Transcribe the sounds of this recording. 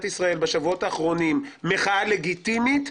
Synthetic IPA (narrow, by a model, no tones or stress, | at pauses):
t̪isʁae̞lbeʃavuo̞taːχʁo̞nimːeχaale̞ɡitimit̪